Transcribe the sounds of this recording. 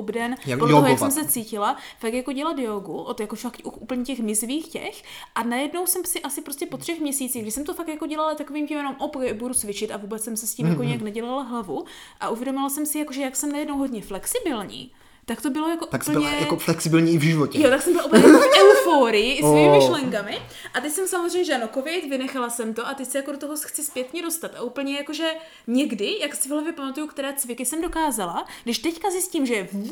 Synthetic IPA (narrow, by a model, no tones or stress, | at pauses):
obdɛnaooojkssɛms̬ɛt͡siːcɪlafakjako̞ɟɛlad̪joɡuʔot̪jakofakʔuxʔupl̩ɲɛcɛxmɪzviːxcɛ̰x | ʔanajɛdno̞wsɛmsɪʔasɪpɾoscɛpot̪r̥ɛxmɲɛsiːt͡siːɣɡdɪsɛmt̪ofakt̪jako̞ɟɛlalat̪akoviːmcɛmjɛnomʔopkɛɪbuɾut͡svɪt͡ʃɪt̪avuːbɛt͡ssɛmsɛsciːmmjakoɲɛaknɛɟɛlalaɦlavu | ʔaʔuvjɛdomɪlasɛmsɪjakoʒɛjaksɛmnajɛdnowɦodɲɛflɛksɪbɪlɲḭː | t̪akt̪o̞bɪlo̞jakoʔt̪akp̩ɲɛjaoflɛksɪbɪlɲiːɪvʒɪvocɛjot̪aksɛmbɪlaʔuplɲɛjfɛufoːɾɪjɪʔɪsimmɪʃlɛŋkamɪ | ʔat̪ɛcsɛmsamozɾ̝eɛjmɲɛʒɛanokovɪt̪vɪnɛxalasɛmt̪o̞ʔat̪ɛcsɪjakodot̪oɦo̞xt͡sɪspjɛt̪ɲɛdo̞st̪at̪ʔaʔupl̩ɲɛjakoʒɛ | ɲɛɡdɪjaksɪvɦlavjɛpamat̪ujukt̪ɛɾaːt͡svɪkɪsɛmdo̞kaːzalaɡdɪʃt̪ɛckazjɪsciːmʒɛv